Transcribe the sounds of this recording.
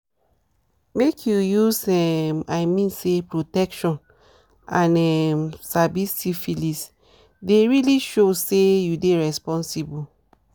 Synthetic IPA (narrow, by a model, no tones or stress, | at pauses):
mekʰjujusɛmaɪmĩnsepɹotɛkʃɔ̃n | ãnɛmsabisifilis | deɹiliʃosejudeɹɛspɔ̃nsibu